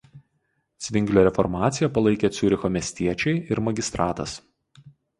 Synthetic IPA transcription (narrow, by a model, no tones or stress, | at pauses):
sʲʋʲɪŋʲɡlʲoːɾʲɛfɔɾmɑːt̪sʲɪjɛpɐlˠɐɪkʲeːt̪sʲʊɾʲɪxoːmʲiɛsʲt̪ʲiɛt͡ʃʲɛɪʔɪɾmɐɡʲɪst̪ɾɑːt̪ɐs